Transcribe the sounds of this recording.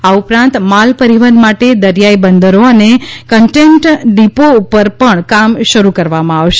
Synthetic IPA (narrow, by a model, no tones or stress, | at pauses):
aupɾãnt̪malpəɾiʋənd̪maʈed̪əɾjaibənd̪əɾoənekəɳʈeɳʈɖipoupəɾpəɳkamʃəɾukəɾʋamãaʋʃe